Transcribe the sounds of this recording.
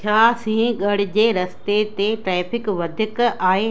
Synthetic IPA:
t͡ɕʰaːsĩːɠɐɽ̤ɪ̆d͡ʑeːɾɐst̪et̪eʈɾɛːpʰɪkʋɐd̪ʱɪkaːɦeː

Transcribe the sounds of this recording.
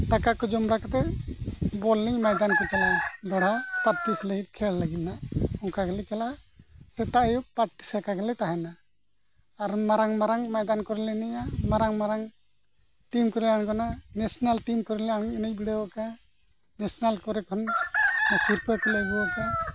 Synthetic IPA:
t̪akakɔd͡ʒɔmɾakat̪ɛ | bɔlniɲmajd̪ankɔt̪ɛlad̪ɔɽapaɾʈislɛɡit̪̚kʰɛllaɡilnaʔɔŋkaɡɛlɛt̪ɛlasɛt̪aʔjupaɾʈi̥sɛkaɡɛlɛt̪aɦɛnaː | ɾmaɾaŋmaɾaŋmajd̪ankɔɾɛlɛɛnɛɲamaɾaŋmaɾaŋ | ʈimkɔɾilankɔnanɛsɔnalʈimkɔɾɛlɛanɛnɛc̚biɽɛwaka | nɛsɔnalkɔɾɛkʰɔnasiɾpɔkɔlɛɡɛwaka

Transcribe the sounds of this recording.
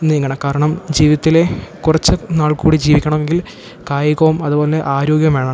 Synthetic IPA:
niːŋːɐɳɐkaːɾɐɳɐmd͡ʑiːʋiðɐt̪ːile̞kurɐt͡ɕːɨnaːɭkuːɽid͡ʑiːʋikʲːɐɳɐme̞ŋɡil | kaːjɐɣɐʋumɐðubo̞ːleʔaːɾo̞ːɡjɐmʋeːɳaː

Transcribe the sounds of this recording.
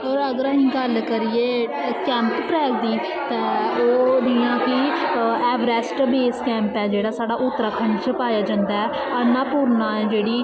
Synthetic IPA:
ɔːɾəɡəɾəːɦĩːɡəlkəɾɪeː | kɛ̃ːmppɾɛːɡ̚d̪iː | t̪ɛ̃ːoːd͡ʒijãːkɪɛːʋɾɛːsʈbeːskɛ̃ːmpɛːd͡ʒeːɽaːsaːɖaːʔʊt̪ːəɾaːkʰəɳɖt͡ʃəpaːjaːd͡ʒãːnd̪aːɛː | ənãːpuːɾnãːɛːd͡ʒeːɽiː

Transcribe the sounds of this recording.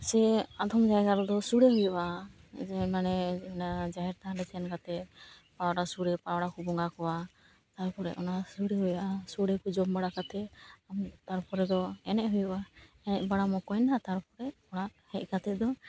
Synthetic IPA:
sɛad̪ʱɔmd͡ʒaɦɛɡaɾɔd̪ɔsuɽeɦujuʔad͡ʒɛmanɛɛnad͡ʒaɦɛɾt̪aɖɛsʰɛnkat̪ɛ | pawɽasuɽɛpawɽakubɔŋɡakɔwa | t̪aɾpɔɾɛ̰ʔɔnasuɽeɦujaʔasuɽɛkud͡ʒɔmbaɽakat̪ɛamt̪aɾpʰɔɾɛd̪ɔɛnɛʔɦujuʔa | ɛnɛʔbaɽamɔkɔjnat̪aɾpɔɾɛɔɽ̃aʔhɛc̚kat̪ɛd̪ɔ

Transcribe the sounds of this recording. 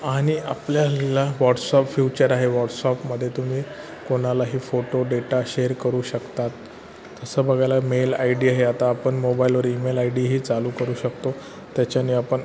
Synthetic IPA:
aɽ̃iapljalaʋɔʈsɔpfjut͡ɕəɾaɦeʋɔʈsɔpməd̪ʱːjet̪um̤iː | koɽ̃alaɦiːfoʈoɖeʈaɕeɾkəɾuːɕəkt̪at̪ː | əsəːbəɡʱajlamela̰jɖiːaɦeat̪aːpəɳmobailʋəɾimelajɖiɦiːt͡saluːkəɾuːɕəkt̪o | t̪jat͡ɕjanːiapəɳ

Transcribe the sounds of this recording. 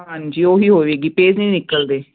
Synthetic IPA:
ɦãɲd͡ʒiːoːɦiːɦoːʋeːɡiːpeːznĩːnɪkəld̪eː

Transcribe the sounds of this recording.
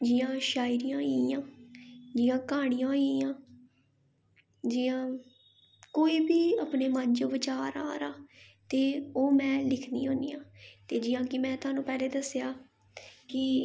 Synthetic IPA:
d͡ʒɪːãːʃaːɪɾijãːiːãːd͡ʒɪːãːkaːɽ̃ijãːiːãː | d͡ʒɪjãː | koːiːbiːapneːmand͡ʒõːbət͡ʃaːɾa̰ːɾaːt̪eːoːmɛ̃ːlɪkʰnḭːɦoːniːjãːt̪eːd͡ʒɪjãːkɪmɛ̃ːt̪ʊaːnũːpɛːleːd̪əsjaː | kɪ

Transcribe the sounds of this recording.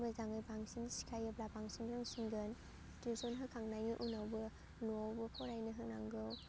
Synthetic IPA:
mazaŋɯjbaŋsinsi̥kʰajɯblabaŋsinbɾɯŋsinɡɯn | tesɔnɦɯkʰaŋnajŋiʔunawbɯ | nawbɯpʰɔɾajnɯɦɯknaŋɡɯw

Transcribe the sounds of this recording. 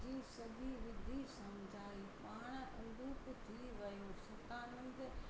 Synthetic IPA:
d͡ʑiːsɐɡʱiʋɪd̪ʱːisɐmd͡ʑʱaːipaːɽ̃ʔʊ̃nd̪uːpt̪ʰiʋɐjũsɐt̪aːnə̃nd̪

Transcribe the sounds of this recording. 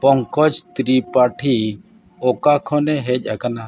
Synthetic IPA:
pɔŋkɔt͡ʃt̪ɾipaʈʰi | ɔkakʰɔnɛɦɛc̚ˀakana

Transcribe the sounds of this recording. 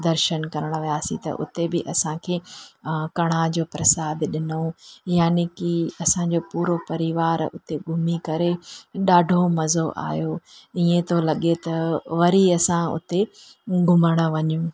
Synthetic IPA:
d̪ɐɾʃənkɐɾəɽ̃̆ʋijaːsḭ̃t̪ɐ̰ʔʊ̰t̪ebɪʔɐsãkʰeː | kɐɽ̃ad͡ʑoːpɾɐsaːd̪ɗɪnojaːnikiɐsãd͡ʑopuːɾopɐɾiʋaːɾʊ̰t̪eɡʱʊmikɐɾeɗaːɖʱomɐzoʔa̰ːjoiẽt̪ʰolɐɠet̪ɐʋɐɾiɐsãʊ̰t̪e | ɡʱʊməɽ̃ə̆ʋɐɲũ

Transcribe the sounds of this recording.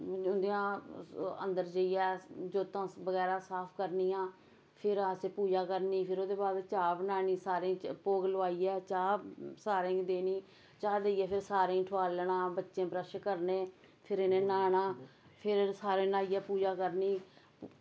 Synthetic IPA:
ʊnd̪iãː | ə̰̃nd̪əɾd͡ʒəiːɛːd͡ʒoːt̪ãːbəɡɛːɾaːsaːpʰkəɾniːãː | pʰɪɾaːseːpuːd͡ʒaːkəɾniːpʰɪɾoːd̪eːbaːd̪t͡ʃaːbnaːnĩːsaːɾẽːpoːɡləʋaːiːɛːt͡ʃaːsaːɾẽːd̪eːnĩː | t͡ʃaːd̪eːiɛːpʰɪɾsaːɾẽĩːʈʰʊaːlɳãːbətːʃẽːpɾəʃkəɾnẽː | pʰɪɾɪnẽːnaːnãː | pʰɪɾsaːɾeːnaːiːɛːpuːd͡ʒaːkəɾniː

